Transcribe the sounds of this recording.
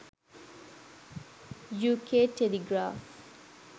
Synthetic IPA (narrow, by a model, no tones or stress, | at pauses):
juːkeːʈeliɡɾaːf